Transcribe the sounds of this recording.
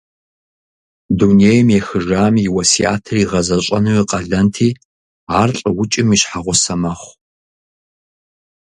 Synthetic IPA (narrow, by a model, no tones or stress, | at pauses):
dunejmjɛxɨʒaːmjɪwɐsia̰ːtʰɨriʁɐzɐɕʼɐnɨwiqʼɐɮɐntʰiː | aːrɬʼɐwʊt͡ʃʼɪmiɕħaʁʷʊsɐmɐχʷ